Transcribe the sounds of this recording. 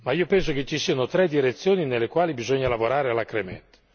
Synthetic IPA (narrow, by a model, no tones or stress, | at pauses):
maiːopɛns̬ok̟et͡ʃːisiːanot̪ɾɛd̪iɾet̪sːjoːninelːekwaːlibizɔɲːalavoɾaːɾealːakɾemɛ̰nt̪